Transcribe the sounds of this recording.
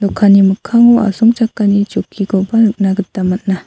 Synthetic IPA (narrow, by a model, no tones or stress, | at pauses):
lɔkʰːanimɯkʰaŋʔa̰sumt͡ʃakːanit͡ʃokʰːiɡɔbanɯk̚naɡɯt̪ːamat̚na